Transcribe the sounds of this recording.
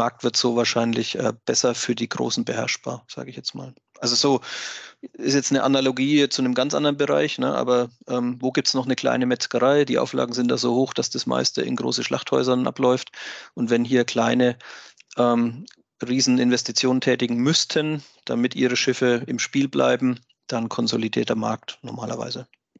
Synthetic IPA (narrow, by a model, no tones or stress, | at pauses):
maɐk̚tv̥ɪɐtz̥oːvaːɐʃaɪnlɪçʔɛ̰ːb̥ɛsɐfyːɐdiːɡʁo̰ːsn̩bəhɛɐʃb̥a̰ːɐz̥a̰ːɡəɪçjɛt͡stma̰ːl | ʔalzozoː | ɪstjɛt͡stnəʔanaloɡiːt͡sunəmɡant͡sʔa̰ndɐʁənbəʁa̰ɪçnəʔa̰ːbɐʔɛːmvoːɡiːp̚tsnɔχnəkʰl̥a̰ɪnəmɛt͡skəʁaɪd̥iːʔa̰ʊfla̰ːɡŋ̩zɪntd̥aːzoːhoːxd̥asd̥asma̰ɪstə̰ɪ̰nɡʁo̰ːsəʃla̰χthɔ̰ʏzɐnʔa̰plɔʏftʔʊntvɛnɦiːɐkʰl̥aɪnəʔɛːm | ʁiːzn̩ɪnvɛstit͡sjoːnəntʰɛːtɪɡŋ̩mʏstʰən | d̥amɪtʔiːʁ̞əʃɪfəɪmʃpiːlbla̰ɪbm̩ | d̥ankʰɔnzolidiːɐtɐma̰ɐk̚tnɔmaːlɐ̰va̰ɪzə